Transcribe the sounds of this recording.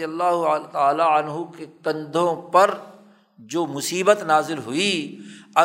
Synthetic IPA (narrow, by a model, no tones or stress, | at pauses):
jəlːaːɦt̪aːlaɐnɦukekɐ̃nd̪ʱõpɐɾ | d͡ʒoːmʊsiːbət̪naːzɪlɦʊiɐ